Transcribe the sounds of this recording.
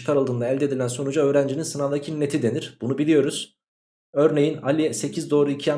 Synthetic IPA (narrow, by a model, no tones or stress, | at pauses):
kʰaɾɯlˠd̪ɯːnd̪aɛlʲd̪e̞d̪ilʲænso̞nud͡ʒaøːɾænd͡ʒininsɯnad̪acʰinːet̪ʰid̪e̞niɾb̥unubilʲijo̞ɾuz̥ | ø̞ɾnejinalʲijɛse̞cʰizd̪o̞ːɾuicʰia